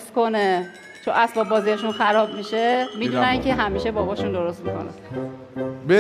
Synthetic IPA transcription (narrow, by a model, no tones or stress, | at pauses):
st̪kʰo̞ne | t͡ʃʰonʔæsbɒːbːɒːzieʃunxæɾɒːbmiʃemiːd̪unæcʰeɦæmiːʃebɒːbɒːʃund̪o̞ɾo̞st̪miko̞̰næ̰ | b